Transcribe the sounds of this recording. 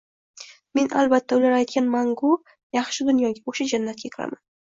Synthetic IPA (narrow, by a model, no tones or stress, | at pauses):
me̞na̰lbat̪ʰːaʊlaɾajt̪̚kʲanmaŋɡʊ | jɑχʃɪd̪ʊnjɒɡʲaoʃad͡ʒanːat̪̚kʲakʰʲɪɾa̰man